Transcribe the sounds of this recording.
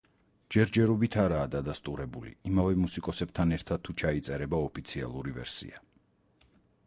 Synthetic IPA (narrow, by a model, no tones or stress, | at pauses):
d͡ʒɛɾd͡ʒɛɾɔbit̪ʰaɾaːd̪ad̪ast̪ʼuɾɛbulḭimavɛmusikʼɔsɛb̥t̪ʰanɛɾt̪ʰad̪̥̚t̪ʰut͡ʃʰait̪sʼɛɾɛbaɔpʰit̪sʰia̰lˠuɾivɛ̰ɾsḭa